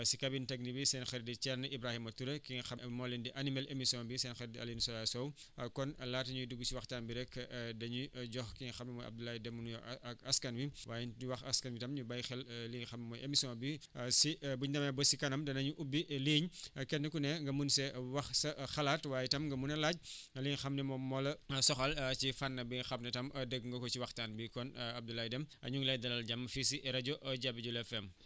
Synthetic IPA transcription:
sikabintɐɡ̚nibisɛnxɛɾdit͡ʃɛrnʔibɾahimɐtuɾɐkiŋɐxɐmɔːlɛndiʔɐnimɛlemisiɔ̃nbisɛnxɛɾdia̰linsɔlasɔw | kɔnlaːtɐɲuduɡːusiwɐxtaːnbiɾɛkːdɐɲuɟɔxkiɲɐxɐmɐmɔjʔɐ̰b̚dulajidɛmunjɔɐskɐnbiwʔaːjiuwɐxɐskɐnbitɐmɲubɐjxɛlliːɲxɐmɐmɔjʔemisjɔ̃bisibuɲdɐmabəsikɐnɐmdɐnɐɲuʔubːiʔliːɲkɛtnɐkunɛŋɡɐmunsɛwɐxsɐxɐlaːtwaːjitɐmɡɐmunɐlaɟ̚liːɲxɐmnɛmɔmɔlɐsɔxɐlt͡ʃifanːɐbixɐpnɛtɐmɐdəɡŋɡɐkɔt͡ʃiwɐxtaːnbikɔnɐb̚dulaːjidɛmɐ̰ɲuŋlɐjdɐlɐlɟamːɐfisiʔɛɾɐɟoʔɐɟabiɟulɛfɛm

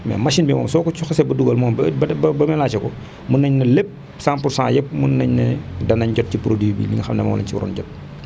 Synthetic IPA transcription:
mɛ̰mɐʃinbimɔ̰ːmsɔːkɔt͡ʃuxɐsɛbɐduɡɐlmɔːmbbbɐbɐmɛlaːt͡ʃɐkɔ | munːɐɲnɐlep̚ | sãmpuɾsã̰jɛp̚munːɐɲnɐ̰dɐnɐɲɟɔt̚cipɾodiːbḭlḭŋxɐmnɛmɐwɔ̰lɐ̰ɲciwɾɔ̰nɟɔt̚

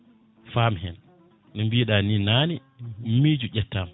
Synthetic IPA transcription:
faːmɦɛ̰n | nɛmbiːɗaninaːni | miːd͡ʒud͡ʒɛtːam

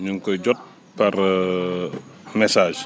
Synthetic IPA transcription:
ɲuŋkɔjɟɔt̚ | pɐɾ | mɛsaːʒ

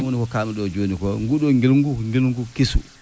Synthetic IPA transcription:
onikɔkaːmiɗɔd͡ʒonikɔŋɡuɗɔŋɡilŋɡuŋɡilŋɡukisṵ

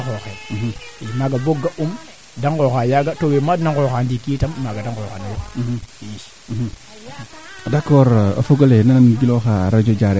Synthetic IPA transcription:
xoxeid͡ʒimaɡaboɡaʔum | daŋkoxajaɡatowemadnakoxandikitammaɡadaŋkoxanajoiʃ | dakːoɾa̰foɡolenanamiɡiloxaɾad͡ʒod͡ʒaɾe

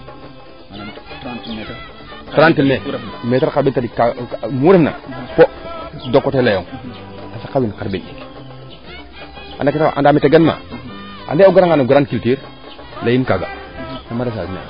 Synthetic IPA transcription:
taɾantimemetaɾkaɾbintadikamuɾefna̰podokːotelajoŋ | asakabinkaɾbinik | a̰naktaʔa̰ndamiteɡenma̰ | a̰ndeuɡaɾaŋanaɡuɾankiltiɾ | lajinkaɡa̰namadas̬a̰smḛ

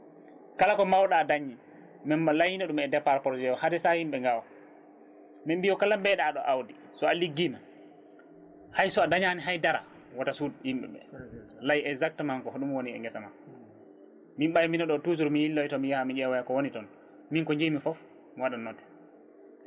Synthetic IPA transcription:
kalakɔmawɗaːdaɲːi | mɛmːalajinaɗumɛdɛpːaɾpɔɾd͡ʒɛwɔhadɛsahimɓɛŋɡawa | mimbijɔkalambɛɗaːɗɔʔawdi | sɔaliɡːina | hajsɔadaɲaniɦajdaɾa̰ | watasudhimɓɛ̰ɓɛ̰lajɛɡzak̚tmaŋkɔɗumwoniɛ̰ŋɡɛsama | mimɓajminaɗɔtuzuɾmijilːɔitɔmijahamiɲɛwajakɔwonitɔn | miŋkɔɲd͡ʒejmifɔf | miwaɗanːɔtːɛ̥

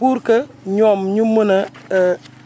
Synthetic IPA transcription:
uɾkəɲɔmɲumuna

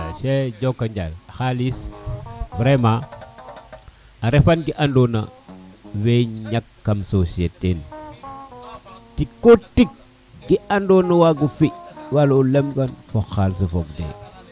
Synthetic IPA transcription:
ʃed͡ʒokːaɲd͡ʒa̰laxalis | vɾema | aɾefanɡiʔandona̰ | weɲakːamsosieten | tikːotik̚ | ɡiandonawaɡufiwalulemɡanfoxals̬ifokdḛ

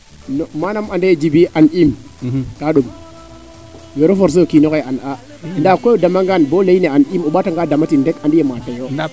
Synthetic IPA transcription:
nmanamandajed͡ʒibiʔanim | kaɗum | joɾofoɾs̬ojokinokeana | ndakoodamaŋɡanboleineanimuɓataŋɡadamatindekandijematajo

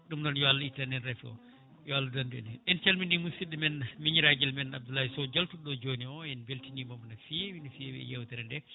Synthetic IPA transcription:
ɗumnɔnjɔalːaitanɛnɾɛfiɔ̰ | jɔalːadandɛ̰nɛʔɛnt͡ʃalminimusiɗɛmɛnmiɲiɾaɡɛlmɛnab̚dulːahisɔd͡ʒaltuɗɔd͡ʒoːniɔɛnbeltinimɔmnafiɛwinifiwḭɛ̰jɛwtɛɾɛndɛ

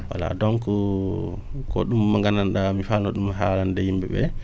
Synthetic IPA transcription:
wa̰la̰dɔŋku | kɔ̰ɗumːaŋɡananɗamifalnɔɗumːaɦaːlandɛhimbɛ̰ɓɛ̰

